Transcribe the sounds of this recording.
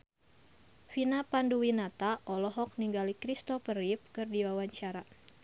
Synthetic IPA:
finapanduwinat̪aʔɔlɔɦɔk̚niŋɡalikɾist̪ɔfərip̚kɨrdiwawaɲt͡ʃaɾa

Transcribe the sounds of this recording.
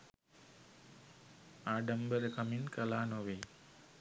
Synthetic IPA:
aːɖɐmbəɾəkɐminkɐlaːnoʋeː

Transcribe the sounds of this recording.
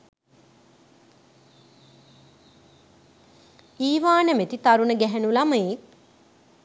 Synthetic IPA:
iːʋaːnəmet̪it̪aɾunəɡɛɦɛnulaməjek̚

